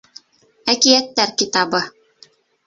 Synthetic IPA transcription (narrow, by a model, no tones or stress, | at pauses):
ækijæt̪ːæɾkit̪ɑbɤ